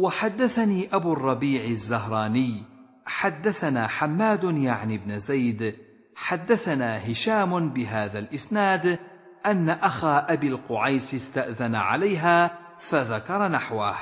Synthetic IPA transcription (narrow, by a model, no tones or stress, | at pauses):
waħad̪ːaθaniːʔabuːrˤːɑbiːʕɪzːaɦɾˤɑːnɪj | ħad̪ːaθanaːħamːaːd̪ʊjaʕnɪbnɪzajd̪ | ħad̪ːaθanaːɦɪʃaːmʊbɪɦaːðalʔɪsnaːd̪ | ʔanːaʔaxaːʔabilqʊʕajsɪst̪aʔðanaʕa̰lajɦaː | faðakɑɾˤɑnaħwah